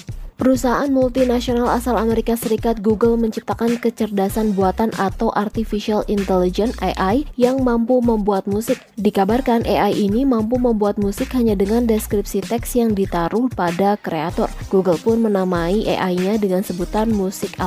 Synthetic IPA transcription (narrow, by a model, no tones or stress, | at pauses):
pəɾusaɦaʔanmult̪inasionalasalameɾikasəɾikat̪̚ɡuɡəlməɲt͡ʃip̚t̪akankət͡ʃərdasanbuat̪anʔat̪awʔart̪ifiʃialint̪ɛlid͡ʒɛnaʔajjaŋmampuməmbuat̪̚musɪk̚dikabarkanʔeʔajʔinimampuməmbuat̪̚musɪkɦaɲadəŋandɛskɾip̚sit̪ɛksjaŋdit̪aɾʊhpadakɾeat̪ɔ̰rɡ̥uɡəlpʊnmənamaiʔḛʔaiɲadəŋansəbut̪anmusɪk